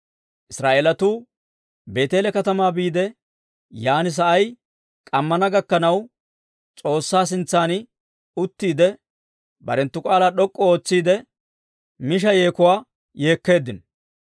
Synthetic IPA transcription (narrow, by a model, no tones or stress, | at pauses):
ʔɪsɾaːʔeːlɐt̪uː | be̞ːt̪e̞ːlɛkɐt̪ɐmaːbiːd̪ɛ | jaːnɪs̬ɐʔɐj | kʼɐmːɐnɐɡɐkːɐnɐw | t͡sʼo̞ːsːaːs̬ɪnt͡sːaːn | ʊt̪ːiːd̪ɛ | bɐ̰ɾɛnt̪ːʊkʼaːlaːɗɔkʼːɔoːt͡sːiːd̪ɛ | mɪʃ̬ɐje̞ːkʊwaː | je̞ːkːe̞ːd̪ːɪn